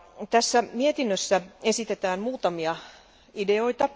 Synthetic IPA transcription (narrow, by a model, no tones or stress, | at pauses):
t̪æsːæmiet̪inːøsːæesit̪et̪æːnmuːt̪ɑmiɑ | ideo̞it̪ɑ